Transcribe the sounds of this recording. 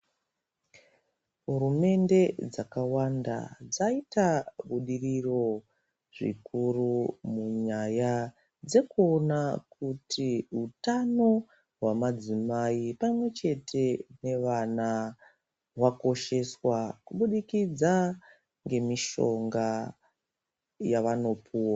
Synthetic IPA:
ɦuɾume̞nde̞d͡zakawanda̰d͡zaitaɓuɗiriro̞ | ʐḭkurumuɲaja | d͡ze̞kuo̞nakutʰiɦutano̞ | ɦwamad͡zimaipamwe̞t͡ʃe̞tʰe̞ne̞ʋana | wako̞ʃe̞swakuɓuɗikid͡za | ŋɡe̞miʃo̞ŋɡa | jaʋano̞pʰuːwa

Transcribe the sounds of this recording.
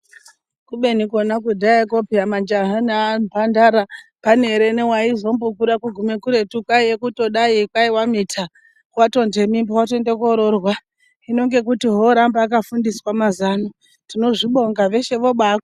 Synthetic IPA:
kuɓe̞nikonakudʱaakopiamand͡ʒaɦanampandaɾapane̞ɾenewaizo̞mbukuɾakuɡʱume̞kuɾe̞tukwaijekuto̞ɗaikwaiwamitʰa | wato̞nde̞mimbowatoendek̬oɾo̞rwa | ino̞ŋɡe̞k̬utiɦo̞ɾambaːkafundiswamazano | tino̞ʐiɓo̞ŋɡaʋe̞ʃe̞ʋo̞ɓaːkwa

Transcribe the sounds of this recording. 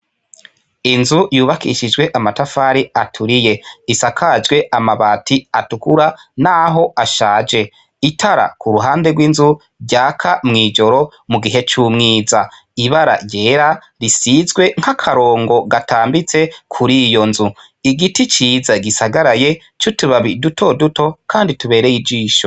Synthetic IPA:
inzujuːβakḭʃid͡ʒɡwe̞ʔamatafaːɾiatʰuɾije̞isakʰad͡ʒɡwe̞ʔamaβatiatukuɾanaɦo̞ʔaʃaːd͡ʒe̞ | itʰaɾa̰kʰuɾuɦaːnde̞ɡwinzu | ɾɟaːkʰamŋiːd͡ʒo̞ɾo̞ | muɡiɦe̞t͡ʃuːmŋiːza | iβaɾa̰ɟe̞ɾa | ɾisizɡwe̞ŋ̥hakʰaɾo̞ːŋɡo̞ɡatʰaːmbit͡se̞kʰuɾijo̞nzu | iɡitit͡ʃiːzaɡisaɡaɾaje̞ | t͡ʃotuβaβidutʰo̞duto̞kʰaːndituβe̞ːɾe̞jid͡ʒiːʃo

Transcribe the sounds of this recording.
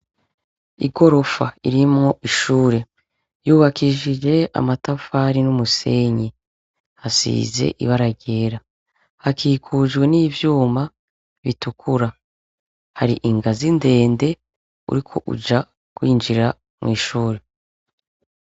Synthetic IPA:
ḭɡo̞ɾo̞fa̰iɾimŋo̞ʔiʃuːɾe̞ | juːβakʰiʒiʒe̞a̰matafaɾinumuse̞ɲi | hasḭːze̞̰ʔḭβaɾaɟe̞ːɾa | hakʰiːkʰuʒɡwe̞niːvjuːma | βitukʰuɾa | haɾḭʔiŋɡazinde̞ːnde̞ | ṵɾikʰo̞ʔṵd͡ʒa | kwiːnd͡ʒiɾa | mŋḭːʃuːɾe̞

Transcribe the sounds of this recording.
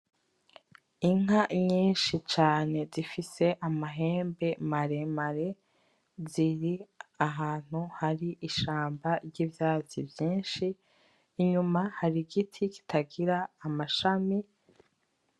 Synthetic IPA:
iŋ̥aɲiːnʃit͡ʃaːne̞zifise̞ʔamaɦe̞ːmbe̞maɾe̞maɾe̞ | ziɾiaɦaːn̥huhaɾiʔiʃaːmbaɾɟiːvjaːzibjiːnʃiː | ɲumahaɾiɡitʰiki̥tʰaɡiɾaːmaʃami

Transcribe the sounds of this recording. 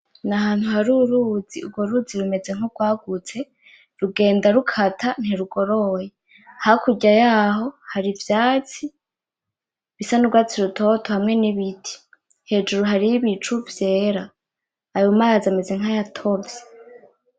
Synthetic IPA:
naɦaːn̥huɦaɾuɾuːd͡ziuɡwoɾuːd͡ziɾume̞d͡ze̞ŋ̥huɡ̥waːɡut͡se̞ | ɾuɡe̞ːndaɾukʰatʰan̥hiɾuɡo̞ɾo̞je | hakuɟajaːɦo̞haɾivjaːt͡si | βisanuɡwaːt͡siɾutʰo̞tʰo̞hamŋe̞niβitʰi̥ | he̞d͡ʒuɾuɦaɾiβit͡ʃuvje̞ːɾaː | jumajazame̞ze̞ŋ̥hajatʰoze̥

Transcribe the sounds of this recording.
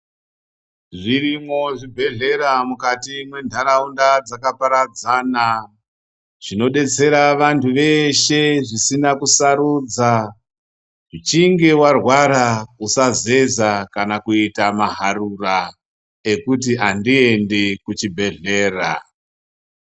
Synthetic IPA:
ʐirimo̞ʐibʱe̞ɮe̞ɾamukatimwe̞ndʱaɾaundad͡zakapaɾad͡zaːna | ʐ̥ino̞ɗe̞t͡se̞ɾaʋantʰuʋe̞ʃe̞ʐisinakusaɾuːd͡za | ʐit͡ʃiŋɡe̞warwaɾakusaze̞zakanakuitamaɦarura | e̞kut̬iandie̞ndekut͡ʃibʱe̞ɮe̞ːra̰

